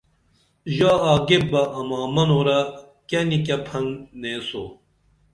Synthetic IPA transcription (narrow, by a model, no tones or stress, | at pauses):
ʑaːaːɡebɐʔɐmaːmɐnoːɾɐ | kɐnik̬ɐpʰɐŋneːso̰